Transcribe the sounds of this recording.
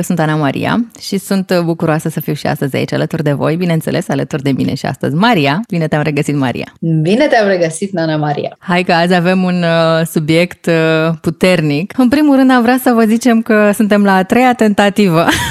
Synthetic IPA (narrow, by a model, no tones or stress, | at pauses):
sunt̪anamaɾʔḭja̰ʃisunt̪bukuɾoasəsəfiwʃia̰st̪əzʲa̰it͡ʃa̰lət̪urd̪e̞vo̞̰jbinent̪se̞lʔe̞salət̪urd̪e̞mḭne̞̰ʃia̰st̪ə̰zʲmaɾiabine̞t̪eamre̞ɡəsit̪ma̰ɾḭa̰bine̞t̪eamreɡəsit̪nanamaɾḭja̰hajkəazʲave̞munsubje̞kt̪put̪e̞rnikɨnpɾimulɾɨnd̪aʃvɾasəvəzit͡ʃe̞mkəsunt̪e̞mlaːt̪ɾe̞jat̪e̞nt̪at̪ivə